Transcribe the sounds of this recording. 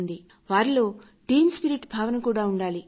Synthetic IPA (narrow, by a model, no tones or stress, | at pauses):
nd̪i | ʋaːɾilo̞ː | ʈiːmspiɾiʈbʱaːʋɐnɐkuːɽaːuɳɖaːli